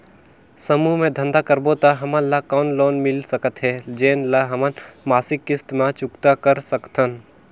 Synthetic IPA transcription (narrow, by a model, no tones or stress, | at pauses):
səmumẽd̪ʱə̃nd̪akəɾbot̪aɦɐmə̃nlakɔːnloːnmɪlsəkət̪ɦɛːd͡ʒeːnlaɦɐmənmaːsɪkːɪst̪mat͡ʃʊkt̪akəɾsəkt̪ʰən